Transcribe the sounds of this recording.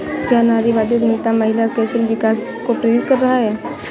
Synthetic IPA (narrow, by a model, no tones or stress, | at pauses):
kjanaɾiʋaːd̪jut̪mɪt̪aməɦilakɛsəlʋɪkas | kopɾəjot̪̚kəɾːɐɦaɦɛː